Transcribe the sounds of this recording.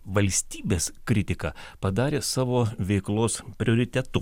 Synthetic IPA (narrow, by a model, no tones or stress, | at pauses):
ʋɐlʲsʲt̪ʲiːbʲeːskɾʲɪt̪ʲɪkɐ̰pɐd̪ɑːɾʲeːsɑːʋoːʋʲɛɪklˠoːspʲɾʲoːɾʲɪt̪ʲɛt̪ʊ